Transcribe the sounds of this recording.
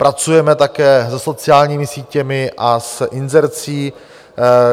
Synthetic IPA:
pɾat͡sujɛmɛt̪akɛːsɛso̞t͡sɪaːlɲiːmɪsiːcɛmɪʔasʔɪnzɛɾt͡siː

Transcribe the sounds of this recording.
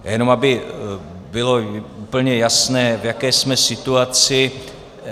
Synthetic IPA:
jɛno̞mabɪ | bɪlo̞upl̩ɲɛjasnɛːvjakɛːsmɛsɪt̪uat͡sɪ

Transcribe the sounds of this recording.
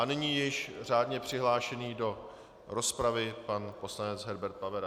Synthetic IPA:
ʔanɪɲiːjɪʃr̝aːdɲɛpr̥ɪɦlaːʃɛniːdo̞ | ɾo̞spɾavɪpanpo̞slanɛt͡sɦɛɾbɛɾt̪̚pavɛɾ

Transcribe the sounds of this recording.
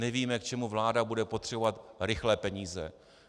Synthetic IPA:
nɛviːmɛk̚t͡ʃɛmuvlaːdabudɛpot̪r̝̥ɛbo̞vat̪ɾɪxlɛːpɛɲiːzɛ̰

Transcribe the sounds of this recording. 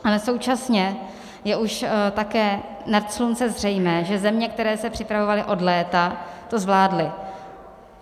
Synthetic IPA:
ʔalɛso̞wt͡ʃasɲɛ | jɛʔuʃt̪akɛː | nat̪slunt͡sɛzr̝ɛjmɛːʒɛzɛmɲɛk̚t̪ɛɾɛːsɛpr̥ɪpɾavovalɪʔo̞dlɛːt̪at̪o̞zvlaːdlɪ

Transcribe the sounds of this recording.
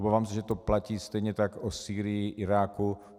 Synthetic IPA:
obaːvaːmsɛʒɛt̪oplaciːst̪ɛjɲɛt̪akosiːɾɪjɪʔɪɾaːku

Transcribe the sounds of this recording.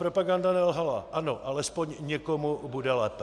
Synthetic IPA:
pɾopaɡandanɛlɦala̰ʔanoʔalɛspoɲɲɛkomubudɛlɛːp

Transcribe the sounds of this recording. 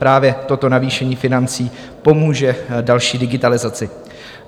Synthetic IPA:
pɾaːvjɛt̪o̞t̪o̞naviːʃɛɲiːfɪnant͡siː | po̞muːʒɛdalʃiːdɪɡɪt̪alɪzat͡sɪ

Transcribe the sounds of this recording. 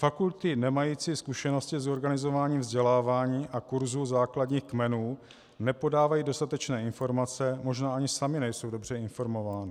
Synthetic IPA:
fakult̪ɪnɛmajiːt͡siːskuʃɛno̞scɪzo̞ɾɡanɪzo̞vaːɲiːmvzɟɛlaːvaːɲiːʔakuɾzuzaːkladɲiːxkmɛnuː | nɛpo̞daːvajiːdo̞st̪at̪ɛt͡ʃnɛːɪnfo̞ɾmat͡sɛmo̞ʒnaːʔaɲɪsamɪnɛjso̞wdo̞br̝ɛɪnfo̞ɾmo̞vaːnɪ

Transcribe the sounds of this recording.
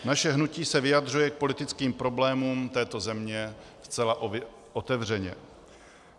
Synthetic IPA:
naʃɛɦnuciːsɛvɪjad̪r̝ujɛk̚po̞lɪt̪ɪt͡skiːmpɾo̞blɛːmuːmt̪ɛːt̪o̞zɛmɲɛ | st͡sɛlaʔo | ʔot̪ɛvr̝ɛɲɛ̰

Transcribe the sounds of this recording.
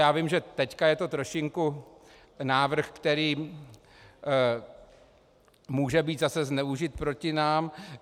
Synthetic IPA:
jaːvɪmʒɛt̪ɛckajɛt̪o̞t̪ɾo̞ʃɪŋku | naːvr̩xkt̪ɛɾiː | muːʒɛbiːt̪zasɛznɛuʒɪt̪̚pɾo̞cɪnaːm

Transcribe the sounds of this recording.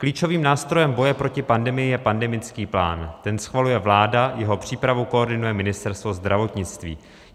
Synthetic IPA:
kliːt͡ʃo̞viːmnaːst̪ɾo̞jɛmbo̞jɛpɾo̞cɪpandɛmɪjɪjɛpandɛmɪt͡skiːpla̰ːnt̪ɛnsxvalujɛvlaːdajɛɦo̞pr̝̥iːpɾavuko̞oɾdɪnujɛmɪnɪst̪ɛɾst̪vo̞zd̪ɾʔavo̞t̪ɲɪt͡st̪vḭː

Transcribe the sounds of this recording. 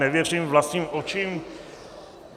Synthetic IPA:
ɛvjɛɾʃimvlɑst̪ʰnimɔt͡ʃʰim

